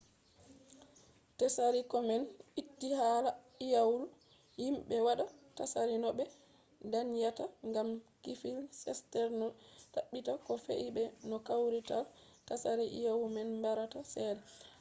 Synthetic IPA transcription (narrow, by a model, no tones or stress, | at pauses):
tɛsaɾikɔmɛnitːihala | ijawlu | himɓɛwaɗatasaɾinɔɓɛ | danjataŋɡamkifilsɛ̰stɛɾnɔtaɓːitakɔfḛʔibɛnɔkawɾitaltasaɾiʔḭjawumɛnmbaɾatasɛːdɛ